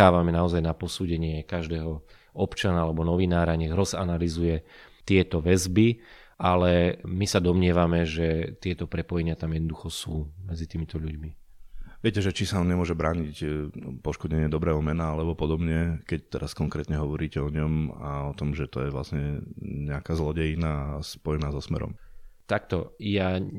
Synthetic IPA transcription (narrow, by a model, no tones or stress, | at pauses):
aːʋamɛnaɔzajnapɔsuːɟɛɲɪɛkaʒd̪ɛːɦɔ | ɔpt͡ʃanaalɛbɔnɔʋinaːɾaɲɛɣɾɔzanalizujɛ | t̪ɪɛt̪ɔʋɛzbi | alɛmisad̪ɔmɲɛʋamɛʒɛt̪ɪɛt̪ɔpɾɛpɔjɛɲɪat̪amjɛd̪nɔd̪uxɔsuːmɛd͡zit̪iːmit̪ɔʎuɟmi | ʋɪɛcɛʒɛt͡ʃisaumɲɛmʊɔʒɛbɾaːɲicpɔʃkɔdɲɛɲɪɛd̪ɔbɾɛːɦɔmɛnaalɛbɔpɔd̪ɔbɲɛkɛc̚t̪ɛɾaskɔŋkɾɛːt̪ɲɛɦɔʋɔɾiːcɛɔɲɔma̰ɔt̪ɔmʒɛt̪ɔjɛʋla̰sɲɛɲɛakaːzlɔɟɛnaːspɔjɛnaːzɔsmɛ̰ɾɔ̰mt̪akt̪ɔja